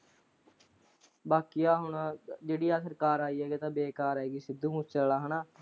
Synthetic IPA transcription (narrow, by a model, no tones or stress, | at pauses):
baːkiaːɦʊɳaːd͡ʒeːɽiːaːsəɾkaːɾaːiːɛːɡeːt̪ãːbeːkaːɾaːeːɡiːsɪd̪ːuːmũt͡ʃəllaːɦənaː